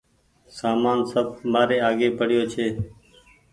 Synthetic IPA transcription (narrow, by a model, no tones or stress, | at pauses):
saːmaːnsəb̚maːɾeːaːɡeːpʰəɽɪjoːt͡ʃʰeː